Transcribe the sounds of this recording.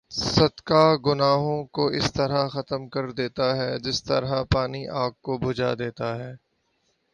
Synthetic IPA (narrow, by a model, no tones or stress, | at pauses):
sɐd̪kaɡʊnaːɦõkoɪst̪ɐɾaxɐt̪əmkɐɾd̪eːt̪aɦɛːd͡ʒɪst̪ɐ̰ɾɦapaːniʔaːɡ̚kobʱʊd͡ʒa̰d̪eːt̪aɦɛː